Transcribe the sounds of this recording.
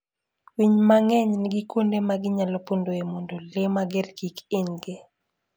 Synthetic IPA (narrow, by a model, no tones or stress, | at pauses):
wiɲmaŋɛɲnɡɪkondemaɡɪɲalɔpondoemondolemaɡɪrkikɪɲɡɪ